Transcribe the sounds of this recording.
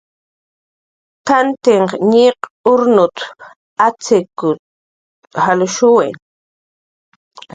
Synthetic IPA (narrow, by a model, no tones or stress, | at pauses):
k̪ant̪ɪɴɲeqʊɾnʊt̪ | at͡sɪkʊ | halʊʃʊwḛŋ